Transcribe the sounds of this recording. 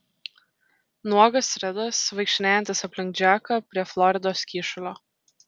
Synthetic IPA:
nuɔɡɐsɾʲɛd̪ɐsʋɐɪkʃʲɪnʲæːjɛ̃nt̪ʲɐsɐpʲlʲɪŋʲk̚d͡ʒʲæːkɐpʲɾʲiɛflˠɔɾʲɪd̪oːskʲiːʃʊlʲoː

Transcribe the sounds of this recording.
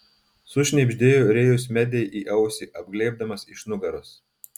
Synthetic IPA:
sʊʃʲnʲɛbʲʒʲd̪ʲeːjuɾʲeːjʊs̬ʲmʲɛd̪ʲɛɪʔiːʔɐʊsʲiʔɐb̚ɡlʲɛɪb̚d̪ɐmɐsɪʃnʊɡɐɾoːs

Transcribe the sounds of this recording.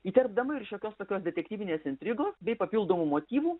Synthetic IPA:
iːt̪ʲɛrbd̪ɐmɐɪɾʃʲjoːkʲoːst̪oːkʲoːsd̪ʲɛt̪ʲɛkt̪ʲiːʋʲɪnʲeːsɪnʲt̪ʲɾʲɪɡoːsbʲɛɪpɐpʲɪlˠd̪oːmuːmoːt̪ʲiːʋuː

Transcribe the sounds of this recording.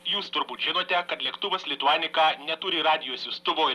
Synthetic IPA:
juːst̪ʊɾbuːt̪ʒʲɪnoːt̪ʲɛkɐt̪lʲɛkt̪ʊʋɐslʲɪt̪ʊɑːnʲɪkɑːnʲɛt̪ʊɾʲɪɾɑːd̪ʲɪjoːsʲjʊst̪ʊʋoːɪ

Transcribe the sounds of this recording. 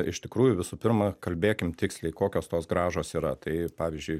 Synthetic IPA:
ɪ̰ʃt̪ʲɪkɾuːjʊʋʲɪsʊpʲɪɾmɐkɐlʲbʲeːkʲɪmt̪ʲɪksʲlʲɛɪkoːkʲoːst̪oːsɡɾɑːʒoːsiːɾɐt̪ɐɪpɑːʋʲɪzʲd͡ʒʲʊɪ

